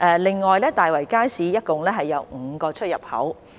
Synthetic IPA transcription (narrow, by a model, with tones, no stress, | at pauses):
ʔɛː˧lɪ˨ŋːɔː˨jlɛː˥t̪aː˨jwɐ˨˩jkaː˥jsiː˨˥jɐ˥t̚kʊ˨ŋlɛː˥ɦɐ˨jːɐ˨˧wŋ̩ː˨˧˦kɔː˧t͡ʃʰɵ˥t̚jɐ˨p̚hɐ̰˨˥w